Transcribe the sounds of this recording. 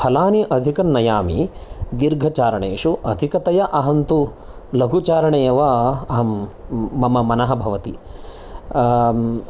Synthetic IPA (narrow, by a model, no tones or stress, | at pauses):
pʰɐlaːniʔɐd̪ʱikɐnːɐjaːmḭd̪iɾɡʱɐt͡ʃaːɾɐɳeːʂuʔɐd̪ʱikɐt̪ɐjɐʔɐɦɐnt̪u | lɐɡʱut͡ʃaːɾɐɳeːʋɐɐɦɐmːɐmɐmɐnɐɦɐbʱɐʋɐt̪i